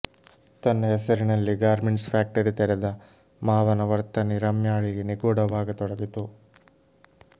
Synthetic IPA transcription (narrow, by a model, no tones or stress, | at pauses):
t̪ɐnːɐɦɛsɐɾinɐlːiɡaːɾmiɳspʰaːk̚ʈɐɾit̪ɛɾɛd̪ɐ | maːʋɐnɐʋɐɾt̪ɐniɾɐmjaːɭiɡeniɡoːɽɐʋaːɡɐt̪ɔɽɐɡit̪u